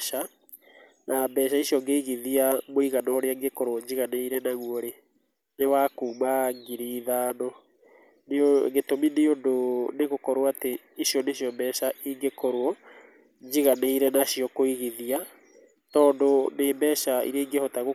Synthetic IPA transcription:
a | nʔambɛːʃ̬aiʃjɔŋɡeiɣiðiamoiɣanɔːɾeaeŋɡekɔɾwɔɲd͡ʒiɣaneiɾɛnaɣwɔɾe | newakuːmaŋɡiɾiːðaːnɔ | neɡetomineondoneɣokɔɾwaate | iʃiɔneʃiɔmbɛːʃaiŋɡekɔɾwɔ | ɲd͡ʒiɣaneiɾɛnaʃiɔkoiɣiðia | tɔːndonembɛːʃaḭɾeiŋɡehɔtaɣo

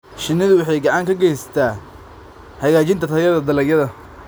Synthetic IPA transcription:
ʃɪnɪðʊwʊħɑjɡɑʕɑŋkʰɐɡɛjsɐ̥t̪ʰaː | hɐɣaːt͡ʃɪnt̪ʰɐt̪ʰɐjɐðɐd̪ɐlɐɡjɐðɐ

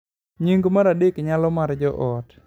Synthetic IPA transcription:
ɲiŋɡomaɾadikɲalɔmaɾd͡ʒɔʔɔt

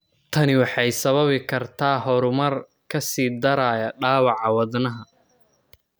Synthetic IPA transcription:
t̪ʰɐnɪwɑħɑjsɐβɐβɪkʰɐrt̪ʰaːɦɔɾʊmɐr | kʰɐsiːd̪ɐɾaːjɐɖaːwɑʕɑwɑðnɐɦɐ

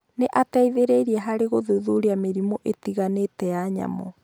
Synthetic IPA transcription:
neʔatɛiðeɾeiɾiɛɦaɾeɣoðuðuɾiameɾimoʔetiɣanetɛjaɲa̰mɔ̰

